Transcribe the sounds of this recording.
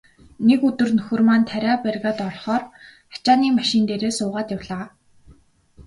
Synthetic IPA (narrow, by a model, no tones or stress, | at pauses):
nekɵt̪ɵ̆rnɵxɵ̆rmaːnt̪ʰæɾʲæːpærɣaːt̪ɔrχɔːrχḁt͡ɕaːniːmaʃɪ̆nt̪eːɾeːsʊːʁaːt̪jawɮaː